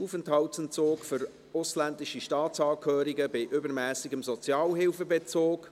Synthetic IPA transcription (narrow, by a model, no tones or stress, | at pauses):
uːfənthɑʊtənt͡soːkfʏɾ | ʊslændɪʃiʃtɑːsɑːkʰhøːɾiɡəbɪʔʏbəɾmæːsɪɡəmzɔt͡sjɑːlɦɪlfəbet͡soːk